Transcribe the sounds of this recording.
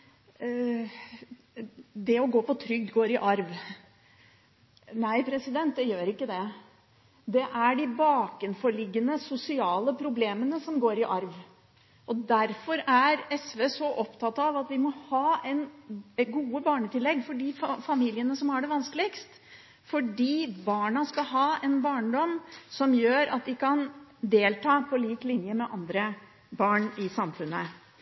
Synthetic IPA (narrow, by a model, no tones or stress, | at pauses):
d̪ɛɔɡoːpɔt̪ʰɾʏɡ̚d̪ɡoːɾɪʔɑɾʋ | næɪpʰɾɛsɪd̪ɛnt̪̚d̪ɛjøːɾɪkːəd̪ɛ | d̪ɛʔæɖɪbɑːkənfɔɭɪɡːənəsʊsɪɑːləpʰɾʊbleːmənəsɔmɡoːɾɪʔɑɾʋ | ɔd̪æɾfɔɾæɾɛsʋesɔʔɔpt̪ʰɑt̪ːɑʋɑt̪ʋɪmɔhɑːɛnɡuːəbɑːɳət̪ʰɪlːɛɡːfɔɖiːffɑmiːljənəsɔmhɑɖɛʋɑnskəlɪkst̪ | fɔɖiːbɑːɳɑskɑɦɑːɛnbɑːɳɖɔmsɔmjøːɾɑ̰t̪̚d̪ɪkʰɑnd̪eːlt̪ʰɑːpʰɔliːklɪnjəmɛʔɑnd̪ɾə | bɑːɳɪsɑmfʉnːə